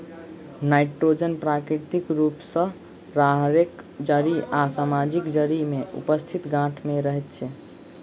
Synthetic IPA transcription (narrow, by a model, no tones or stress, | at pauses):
najʈɾod͡ʒənpɾakɾiɾt̪ikɾupsə̃ | ɾaɦɾekd͡ʒəɾiasamad͡ʒikd͡ʒəɾimeʔṵpəst̪ʰit̪ɡãʈʰmeɾəɦɛt̪t͡ʃʰɛ